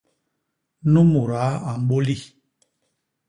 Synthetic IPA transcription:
nu˦mu˨ɾa˨˦a˨m˨ɓo˦li˦˨

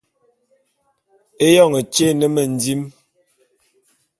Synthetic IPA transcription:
e˦jɔ˦˨ŋe˨t͡ʃe˦˨nə˦mə˨n˨di˦m

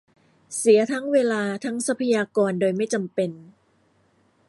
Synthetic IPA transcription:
si˩˦ɐt̪ʰa˦˥ŋweː˧laː˧t̪ʰa˦˥ŋsa˦˥pʰa˧jaː˧kɔː˧ndoː˧jma˥˩jt͡ɕa˧mpe˧n

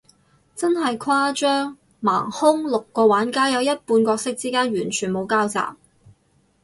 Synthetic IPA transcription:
t͡sɐ˥nɦɐ˨jkʰwaː˥t͡ʃœː˥ŋ | ma̰ː˨˩ŋhʊ˥ŋlʊ˨kːɔː˧waː˨˥nkaː˥jɐ˨˧wjɐ˥t̚puː˧nkʷɔː˧k̚sɪ˥k̚t͡siː˥kaː˥nɥyː˨˩nt͡ʃʰyː˨˩nmo˨˧wkaː˥wt͡sa̰ː˨p̚

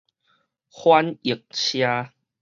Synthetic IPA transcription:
hwa˧˦ni˨˩k̚t͡ɕʰjaː˧

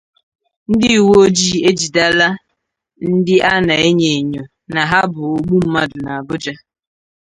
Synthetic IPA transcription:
n̩˦dɪ˦i˨wo˦o˦d͡ʒi˦˨e˦d͡ʒi˨da˦la˦ | n̩˦dɪ˦ʔa˦na˨e˦ɲe˨ɲo˨ | na˨ɦa˦bʊ˨o˨ɡ͡bu˦m̩˦ma˦dʊ˨na˨a˨bʊ˦d͡ʒa˦

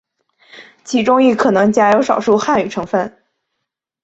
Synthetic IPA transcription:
t͡ɕʰi˧˥ʈ͡ʂʊ˥ŋi˥˩kʰɤ˨˩nɤ˧˥ŋt͡ɕja˥jo˧˥ʊʂɑ˨˩ʊʂu˥˧xa˥˩ny˨˩ʈ͡ʂʰɤ˧˥ŋfə˥˩n

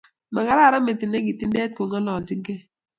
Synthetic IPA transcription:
ma˨ɡa˨˦ɾa˦˨ɾa˦me˨ti˨ne˦ɡi˨ti˦ndɛ˦t̚ko˨ŋa˦lɔ˨d͡ʒi˦ɡɛ˦

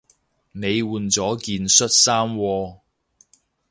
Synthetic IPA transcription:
ne˨˧jwuː˨˧nt͡sɔː˨˥kiː˧nsɵ˥t̚saː˥mwɔː˧

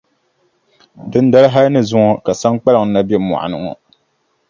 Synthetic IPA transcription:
dɨ˦n˦da˦ɾɦa˦lnɨ˦zʊ˦ŋɔ˦ka˨sa˦ŋk͡pa˦lɨ˨ŋ˨˦na˦bjɛ˦mɔ̰˨a̰˨nɨ˨ŋɔ̰˨

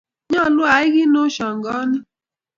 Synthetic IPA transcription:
ɲɔ˦˨lʊ˦a˨ɪ˦ɣɪ˦nʊ˦ʃɔ˨ŋ̩˨ɡɔ˦nɪ˦

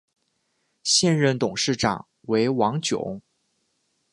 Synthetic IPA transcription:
ɕjɛ˥˧nɻə˥˩nt̪ʊ˨˩ŋʂɻ̩˥˩ʈ͡ʂɑ̰˨˩ŋ | we˧˥ɪwɑ˧˥ŋt͡ɕjʊ̰˨˩˦ŋ

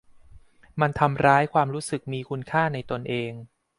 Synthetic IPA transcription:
ma˧nt̪ʰa˧mɾaː˦˥jkʰwaː˧mɾuː˦˥sɯ˨˩k̚miː˧kʰu˧nkʰaː˥˩na˧jt̪o˧nʔeː˧ŋ

